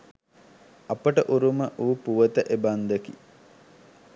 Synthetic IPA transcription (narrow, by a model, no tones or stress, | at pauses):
ɐpəʈəʔuɾuməʔuːpuʋət̪əʔeband̪əki